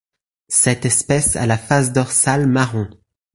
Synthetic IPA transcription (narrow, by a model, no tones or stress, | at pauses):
sɛt̪ɛspɛsa̰lafas̬d̪ɔʁsalmaʁɔ̃